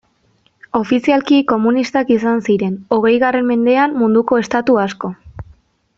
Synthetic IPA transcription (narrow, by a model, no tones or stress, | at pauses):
o̞fisialkiko̞munist̪akisansiɾe̞no̞ɣ̞e̞jɣare̞mme̞nd̪e̞amːund̪uko̞e̞st̪at̪uasko̞